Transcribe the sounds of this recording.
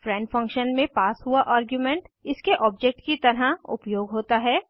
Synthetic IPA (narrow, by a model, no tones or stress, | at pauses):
fɾɛ̃ːɳɖfɐ̃ŋkʃənmẽpaːsɦuaʔaːɾɡjumẽɳʈɪskeʔɔːbd͡ʒek̚ʈkit̪ɐɾaʊ̰pjoːɡɦoːt̪aɦɛː